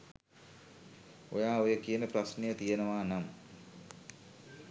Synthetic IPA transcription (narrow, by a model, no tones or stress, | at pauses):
ojaːojəkijənəprasnəjət̪ijənəʋaːnam